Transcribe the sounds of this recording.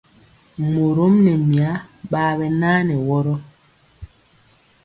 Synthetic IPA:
mo˨ɾo˦mnɛ˨mi˨a˦ɓaː˦βɛ˦naː˦nɛ˨wɔ˦ɾɔ˦

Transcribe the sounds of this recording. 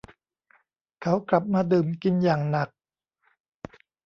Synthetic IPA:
kʰa˦˥wkla˨˩p̚maː˧dɯː˨˩mki˧njaː˨˩ŋna˨˩k̚

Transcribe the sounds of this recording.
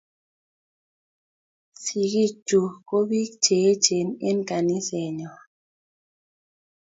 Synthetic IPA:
si˨ki˦˨d͡ʒu˨ko˦bi˦kt͡ʃe˨˦t͡ʃe˨ne˦nka˨ni˦sɛ˨ɲɔ˨

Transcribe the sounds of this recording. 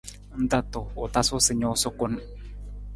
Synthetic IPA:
n̩˦d̪a˦t̪o˨o˨t̪a˦so˦sə˨ɲo˨˦so˦ko˦n

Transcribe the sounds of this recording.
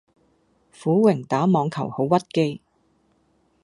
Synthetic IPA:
fuː˨˥wɪ˨˩ŋt̪aː˨˥mɔː˨˧ŋkʰɐ˨˩who˨˥wːɐ˥t̚ke˥j

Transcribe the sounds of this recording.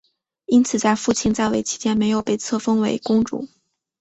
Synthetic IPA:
i˥nt͡sʰɹ̩˨˩t͡sa˥˧ɪfu˥˧t͡ɕʰi˥˧nt͡sa˥˩ɪwe˧˥ɪt͡ɕʰi̥˥t͡ɕjɛ˥nme˧˥ɪjo˨˩ʊpe˥˩ɪt͡sʰɤ˥˩fɤ˥ŋwe˧˥ɪkʊ˥ŋʈ͡ʂṵ˥˩˦

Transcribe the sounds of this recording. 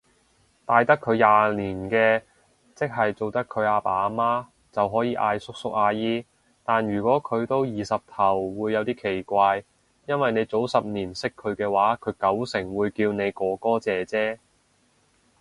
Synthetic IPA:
t̪aː˨jt̪ɐ˥kʰːɵ˨˧ɥjaː˨niː˨˩nkɛː˧ | t͡sɪ˥k̚ɦɐ˨jt͡so˨wt̪ɐ˥kʰɵ˨˧ɥaː˧paː˨˧˥maː˥ | t͡sɐ˨wɦɔː˨˥jiː˨˧˥ʔaː˧jsʊ˥k̚sʊ˥k̚aː˧jiː˥ | t̪aː˨njyː˨˩kʷɔː˨˥kʰɵ˨˧ɥt̪o˥wjiː˨˩sɐ˨p̚t̪ʰɐ˨˩wːuː˨˧jːɐ˨˧wt̪iː˥kʰe˨˩jkʷaː˧j | jɐ˥nwɐ˨jne˨˧jt͡so˨˥wsɐ˨p̚niː˨˩nsɪ˥kʰːɵ˨˧ɥkɛː˧waː˨˥kʰɵ˨˧ɥkɐ˨˥wsɪ˨˩ŋwuː˨˧jkiː˧wne˨˧jkɔː˨˧kɔː˥t͡sɛː˨t͡sɛː˥

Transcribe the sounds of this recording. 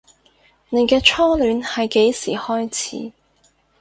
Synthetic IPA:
ne˨˧jkɛː˧t͡ʃʰɔː˥lyː˨˥nhɐ˨jke˨˥jsḭː˨˩hɔː˥jt͡sʰḭː˨˥

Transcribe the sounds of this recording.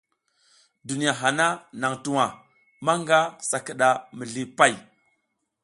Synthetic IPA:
du˨ni˨ja˨ɦa˨na˦na˨ŋtu˦wa˨ | ma˦ŋɡa˦sa˨ki˨ɗa˨mi˨ɮi˦pa˦˨j

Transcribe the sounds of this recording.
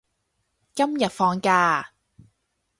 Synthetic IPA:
kɐ˥mjɐ˨t̚fɔː˧ŋkaː˧

